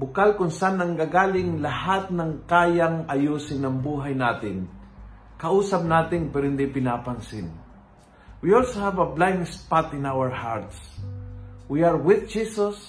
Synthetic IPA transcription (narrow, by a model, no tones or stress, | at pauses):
bʊkalkʊnsanːɐŋɡaɡaːlɪŋlɐhat̪̚nɐŋkaːjaŋɐjuːsɪnɐŋbuːɦajnaːt̪ɪn | kɐʔuːsɐp̚naːt̪ɪnpɛːɾohɪnd̪ipɪnaːpansɪn | wiɔlsohavɐblajmspat̪ɪ̃nawəɹhaɹt̪s | wiaɹwɪðd͡ʒiːsos